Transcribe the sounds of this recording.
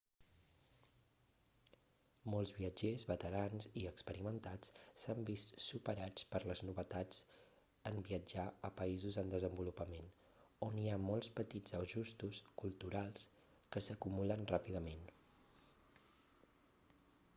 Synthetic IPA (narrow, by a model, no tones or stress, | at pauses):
mɔlˠzβiəd͡ʒezβət̪əɾanziəkspəɾimənt̪at͡ssambist̪supəɾat͡spəɾləznuβət̪ad͡z | əmbiəd͡ʒaəpəizuzənd̪əzəmbulupəmen | oniamɔlˠspət̪id͡zəʒust̪uskulˠt̪uɾalˠs | kəsəkumulənrapiðəmen